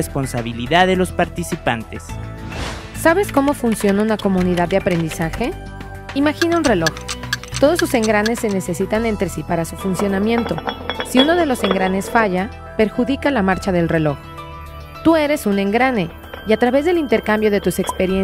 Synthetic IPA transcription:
espo̞nsaβiliðaððe̞lo̞spaɾt̪isipa̰nt̪es | saβe̞sko̞mo̞funsjo̞naunako̞mũniðaðːeapɾe̞nd̪isaxe̞ | imaxinaunre̞lo̞xt̪o̞ð̞osuse̞ŋɡɾane̞sːe̞ne̞se̞sit̪ane̞nt̪ɾesipaɾasufunsjo̞namje̞nt̪o̞siuno̞ðe̞lo̞se̞ŋɡɾane̞sfaʝa | pe̞ɾxuðikalamaɾt͡ʃaðe̞lre̞lo̞x | t̪ue̞ɾe̞sune̞ŋɡɾane̞ | iat̪ɾaβe̞zðe̞lint̪e̞ɾkambjo̞ð̞e̞t̪use̞kspe̞ɾjen

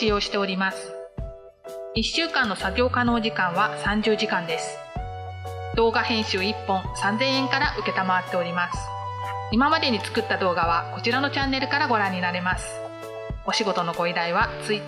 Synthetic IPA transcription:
ijo̞ːɕi̥t̪e̞o̞ɾʲimasɨ̥ | iɕːɨːkãnːo̞saɡʲo̞ːkano̞ːʑikãɰ̃β̞asãɲ̟d͡ʑɨːʑikãnd̪e̞sɨ̥ | d̪̥o̞ːɡahẽ̞ɰ̃ɕɨːipːõ̞sãnzẽ̞ɰ̃ẽ̞ŋkaɾaʔɯ̟ke̞t̪amaβat̪ːe̞oɾʲimasɨ̥ | imamad̪e̞ɲ̟it͡sɨ̥kɯ̟t̪ːad̪o̞ːɡaβako̞t͡ɕiɾano̞t͡ɕãnːe̞ɾɯ̟kaɾaɡo̞ɾãɲ̟ːinaɾe̞masɨ̥ | o̞ɕiɡo̞t̪o̞no̞ɡo̞id̪aiβat͡sɨi

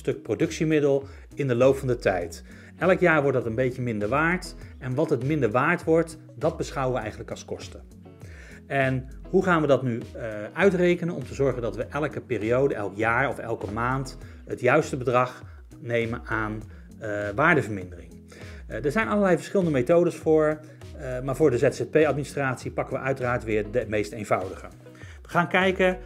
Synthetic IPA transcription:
stɵk̚prodɵksimɪdəlˠ | ɪndəlowpfɑndətɛjt | ɛləkjaːɹʋɔɹtdɑtənbejcəmɪndəɹʋaːɹtɛnʋɑtɦətmɪndəɹʋaːɹtʋɔɹt | dɑd̚bəsχɑwəʋəɛjχənləkɑlˠskɔstə | ɛnɦuχaːnʋədɑtnyœɥtrejkənənɔ̰mtəzɔɹχəndɑtʋəʔɛlkəpɪːrijowdəʔɛ̰lˠkjaːɹɔfɛ̰lˠkəmaːnt | ɦətjœɥstəbədrɑχ | nejmənaːn | ʋaːɹdəvəɹmɪndərɪŋ | dəɹzɛjnʔɑlˠəɹlɛjvəɹsχɪləndəmejtowdəsfʊːɹ | maːɹvʊːɹdəzɛtsɛt̚pejɑt̚ministraːtsipɑkəʋəʔœɥtəraːɹtʋɪːɹdəmejstejnvɑwdəχə | ʋəχaːnkɛjkə

